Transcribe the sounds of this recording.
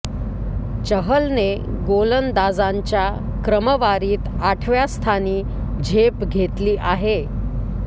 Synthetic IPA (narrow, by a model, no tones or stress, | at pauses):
t͡ɕəɦəlne | ɡolənd̪ad͡zaɲt͡ɕja | kɾəməʋaɾiːt̪aʈʰʋjast̪ʰaniː | d͡ʑʱepɡʱet̪liːʔaɦe